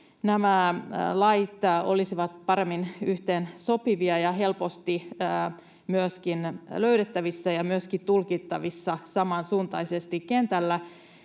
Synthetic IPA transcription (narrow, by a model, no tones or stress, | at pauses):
næmælɑit̪o̞̰lisiʋɑt̪pɑɾe̞mːinyht̪eːnso̞piʋiɑjɑɦe̞lpo̞st̪i | myøskinløyɾet̪ːæʋisːæjɑmyøskit̪ulkit̪ːɑʋisːɑsɑmɑnsuːnt̪ɑisest̪ikːe̞nt̪ælːæ